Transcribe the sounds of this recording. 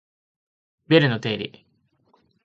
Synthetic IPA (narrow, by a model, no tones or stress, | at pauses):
beɾɯ̟no̞t̪e̞ːɾʲḭ